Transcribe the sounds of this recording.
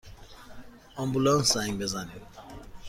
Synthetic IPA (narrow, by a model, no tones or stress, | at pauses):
ɔmbulansaiŋbɛzani